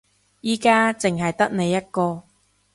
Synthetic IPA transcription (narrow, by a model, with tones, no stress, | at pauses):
jiː˧kaː˥t͡sɪ˨ŋɦɐ˨jt̪ɐ˥k̚ne˨˧jːɐ˥t̚kɔː˧